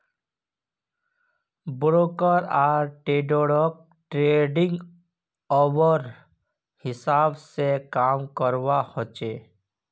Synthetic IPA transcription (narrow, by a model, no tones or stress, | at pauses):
bɾoːkəɾaːɾʈeːɖoːɽok̚ | ʈɾeːɖɪ̃ŋɡ | ɔːwəɾ | hɪsaːbsekaːmkəɾwahot͡ʃeː